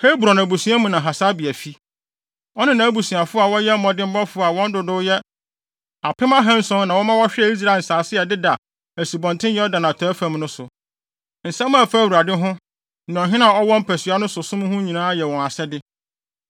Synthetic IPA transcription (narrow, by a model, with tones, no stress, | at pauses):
he˦bɾa˨nã˨bu˨sũ˨˦a˦mũ˨nã˨ɦa˨saː˦bɪ˨æ˨fi˦ | ɔ˦nɪ̃˦nã˨˦bu˨sũ˨a˨fʊ˦a˨wɔ˦jɛ˦m̩˦mɔ̃˨dɪ˦m̩˦bɔ˦fʊ˦a˨wɔ̃˦n˦dʊ˨dʊ˦jɛ˦ | a˨pʰɪ˦mã˦ɦɛ̃˦n̩˦sʊ̃˦nã˨wɔ˦mã˦wɔ˦ɕᶣɪ˦ɛ˦˨i˦s̬ɾa˦˨n̩˨saː˨sɪ˦a˨dɪ˦da˨ | æ˨si˨bɔ̃˨ntʰɪ̃˦jɛ˦ɔ˦dã˨nã˨tʰɔ˨˦fã˨˦mnʊ̃˦sʊ˨ | n̩˨sɛ˦m˦ã˦˨fa˦˨wu˨ɾa˨dɪ˦ɦʊ̃˦ | nã˨ɔ˨ɦɪ̃˦nã˦˨ɔ˦wɔ̃˦m̩˦pʰæ˨sɥa˦nʊ̃˦sʊ˨sʊ̃˦m̃˦hʊ̃˦ɲĩ˨nãː˦a˦jɛ˨wɔ̃˨na˨sɛ˦dɪ˦